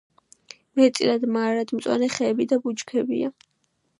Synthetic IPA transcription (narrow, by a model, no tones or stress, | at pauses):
mɛt̪sʼiɾad̪maɾad̪mt̪sʼwa̰nɛχɛːbid̪abut͡ʃd͡ʒkʰɛbḭa